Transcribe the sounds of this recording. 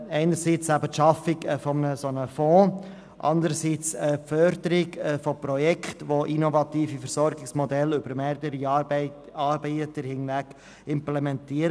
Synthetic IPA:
ɛɪnəɾsit͡sæbətʃɑfɪkfɔmnəsonəfɔ̃ː | ʔɑ̰nd̪əɾəsit͡sɛfœɾd̪əɾɪɡfoprɔjɛkχtʋoʔinovɑtiːfifəɾsɔɾɡɪksmɔdɛlʏbəɾmeːɾdəɾi | ɑɾbɛɪət̪əɾhɪnvæɡ | ɪmplɛmɛntiːəɾ

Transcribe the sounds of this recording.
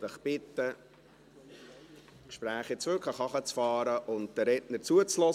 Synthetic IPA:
d̥əχb̥ɪt̪ːə | kʃpɾæːχɪt͡sʋʏɾkʰləχɑχət͡sfɑːɾəʔʊnt̚d̥əɾɛtnəɾt͡suət͡slɔ

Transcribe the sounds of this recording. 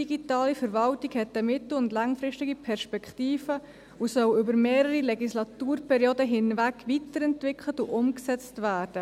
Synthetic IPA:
diɡitɑːlifəɾvɑltiɡhɛtəmɪtl̩ʊndlɑŋfɾɪʃtɪɡipʰɛɾʃpɛkχtiːfə | usœwʏbəɾmeːɾəɾilɛɡislɑtuːɾpɛɾjoːdəɦɪnvækvitəɾɛntvɪkʰl̩ətuʔʊmksɛt͡stvæːɾd̥ə

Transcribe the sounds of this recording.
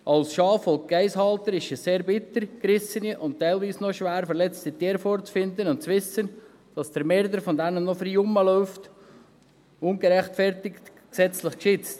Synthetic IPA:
ʔɑlsʃɑːfɔlk̚ɡ̥ɛɪshɑlt̪əɾɪʃəsseːɾbɪt̪əɾkɾɪsəniʔʊnttːæɪlʋiːsnoʃʋæːɾfɛɾlɛt͡st̪it̪iːɾfɔːɾt͡sfɪnd̪ənʊntt͡sʋɪsən | d̥ɑsd̥əɾmɛɾd̪əɾfɔnd̪ænənnːɔfəɾjʊməlœʊft | ʊnɡəɾɛχtfɛɾtɪkt | ksɛt͡slɪχkʃɪt͡st

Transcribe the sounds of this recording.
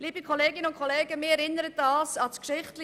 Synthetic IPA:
liːbikʰoleːɡɪnəʊnt̚kʰoleːɡəmɪːɛɾɪnəɾət̚dɑːsɑskʃɪχtlɪ

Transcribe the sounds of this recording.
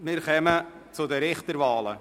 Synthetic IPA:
mɪːɾχɛmə | t͡sʊdəɾɪχt̪əɾvɑːlə̰

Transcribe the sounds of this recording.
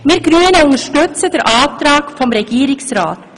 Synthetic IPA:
meːɾɡɾʉːənæʊŋəʂʈœt̪sɛt̪əɾʔɑːʋd̪ɾɑːɡfɔmɾɛɡiːɾɪŋsɾɑ̰ːt̪

